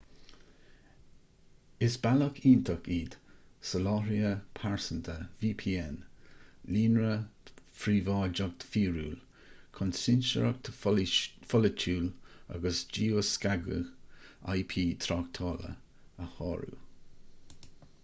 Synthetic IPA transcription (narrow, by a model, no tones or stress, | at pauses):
ɪsbaləkʰiːnt̪ʰəkiːd̪̥səlɑːɾiəpʰaɹsənt̪ʰəviːpʰiːɛnliːnɹəfɾiːvɑːld͡ʒəɡ̚t̪fiːɹuːl | kʰɔnsɪnʃəɾək̚tʰ | fɔlət͡ʃʰuːla̰ɡəsd͡ʒiːəskaɡə̰ɣa̰jpʰiːt̪ʰɾɑːk̚t̪ʰɑːlə̰ | əhɑ̰ːɹṵ